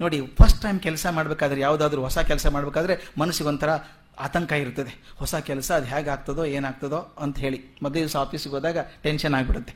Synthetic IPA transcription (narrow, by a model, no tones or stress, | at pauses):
no̞ːɽipʰɐɾsʈʈːɐjmkɛlsɐmaːɽɐbeːkaːd̪ɐɾejaːʋud̪aːd̪ɐɾuɦɔsɐkɛlɐsɐmaːɽbekaːd̪ɐɾemɐnɐsiɡont̪ʰɐɾɐ | aːt̪ɐŋkɐiɾut̪ːɐd̪ehɔsɐkɛlɐsɐːd̪ɦaːɡaːɡ̚t̪ɐd̪o̞ːe̞ːnaːɡ̚t̪ɐd̪oːɐnt̪ɐɦe̞ːɭimɔd̪leisaːpʰiːsiɡoːd̪aːɡɐʈenʃɐnaːɡbiɽut̪ːe